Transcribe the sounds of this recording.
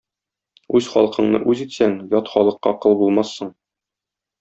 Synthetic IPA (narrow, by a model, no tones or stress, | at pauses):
ʉzχɒlˠqɤ̆ɴnɤ̰ʔʉzit̪sæŋjɒt̪χɒlˠɤ̆qːɑqɤlˠbulˠmɑsːɤɴ